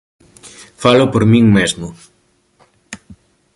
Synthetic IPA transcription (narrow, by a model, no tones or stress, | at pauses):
falopoɾmĩŋmezmʊ